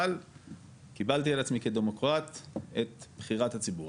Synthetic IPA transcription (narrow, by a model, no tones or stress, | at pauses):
l | kibalt̪̬ialat͡smike̞d̪emo̞kʁat̪et̪b̥χiʁat̪hat͡sibuʁ